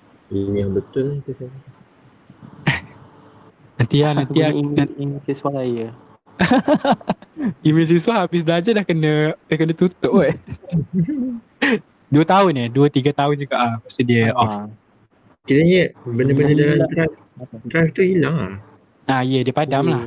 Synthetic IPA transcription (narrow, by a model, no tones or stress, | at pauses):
lmiabət̪ʊlasesan | nant̪ianãnt̪ianaimisisuwalajə | imis̬iswahabis̬bəlad͡ʒadahkənədakənət̪ut̪ʊʔ | duət̪aʊnəduət̪iɡat̪aʊnd͡ʒuɡaʔapast̪udiəɔf | kit̪əjəbəndəbəndədat̪ɾaf | t̪ɾaft̪uilaŋa̰ | aijədiəpadamlah